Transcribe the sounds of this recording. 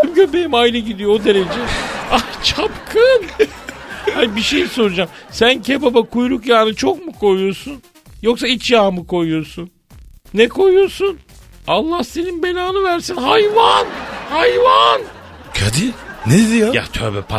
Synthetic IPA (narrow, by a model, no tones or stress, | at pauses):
mɟøbejimajlʲɯɟid̪ijood̪e̞ɾe̞d͡ʒɛat͡ʃʰapkʰɯn | anibiʃe̞jiso̞ɾud͡ʒamsæncʰebabakʰujɾukjaːnɯt͡ʃʰo̞kmukʰo̞jujo̞ɾsun | jo̞ksait͡ʃjaːmɯkʰo̞jujo̞ɾsunː | ɛkʰo̞jujoɾsun | alˠːahse̞ninbe̞naːnɯvæɾsinɦajvanhajvan | kʰad̪ined̪ijaja̰t̪ʰø̰bɛpʰa